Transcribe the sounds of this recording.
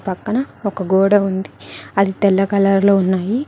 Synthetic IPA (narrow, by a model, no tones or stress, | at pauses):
pɐkːɐɳɐɔkɐɡoːɽɐund̪iɐd̪it̪ɛlːɐkɐlaːɾlo̞ːunːaːji